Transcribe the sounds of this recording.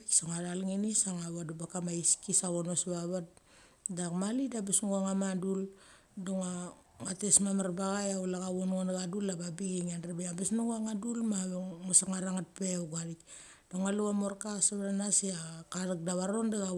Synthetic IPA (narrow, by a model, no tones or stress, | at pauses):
ksaŋadalŋinisaŋaβadubakamaiskisaβonosβaβat̚ | dakmalidabesnuɡuaŋamadul | doŋa | ŋatesmamaɾbaɣajaulaɣaβononaɡadulːababiɡiŋenrebeabesnuɡuaŋadulmaβŋosaŋaɾaŋat̚pewɡaɾik | d̥oŋaluamoɾkasaβaɾanaseakaɾak̚daβaɾondaɣa